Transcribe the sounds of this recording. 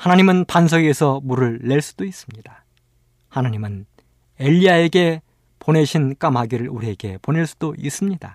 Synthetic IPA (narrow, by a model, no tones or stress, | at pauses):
hanaɲimɯnpans̬ʰʌɡe̞sʰʌmuɾɯɭːe̞ɭs͈u̥d̥ois͈ɯmɲid̥a | hanaɲimɯn | e̞ʎːiae̞ɡe̞ | pone̞ɕʰink͈amɦaɡiɾɯɭuɾieɡe̞pone̞ɭs͈u̥d̥ois͈ɯmɲid̥a